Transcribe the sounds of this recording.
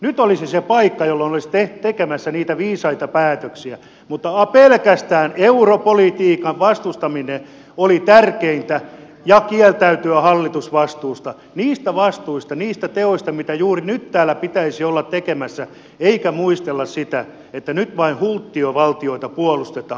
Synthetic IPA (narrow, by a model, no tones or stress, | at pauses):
nyt̪olisisepɑikːɑjolːonolist̪eht̪ekemæsːæniːt̪æʋiːsɑit̪ɑpæːt̪øksiæ | mut̪ːɑɑpelkæst̪æːneuropolit̪iːkɑʋʋɑst̪ust̪ɑmine | olit̪ærkeint̪æ | jɑkiɛlt̪æyt̪yæhɑlːit̪usʋɑst̪uːst̪ɑ | niːst̪æʋɑst̪uist̪ɑniːst̪æt̪eoist̪ɑmit̪æjuːrinyt̪tæːlːˑæpit̪æisiolːɑt̪t̪ekemæsːæ | eikæmuist̪elːɑssit̪æ | et̪ːænyt̪ʋɑinhult̪ːioʋɑlt̪ioit̪ɑpuolust̪et̪ɑː